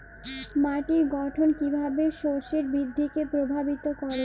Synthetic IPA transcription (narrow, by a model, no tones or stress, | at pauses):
maʈiɾɡɔʈʰonkibʱabeʃoɾʃeɾbɾid̪ʱːikepɾobʱabit̪okɔɾe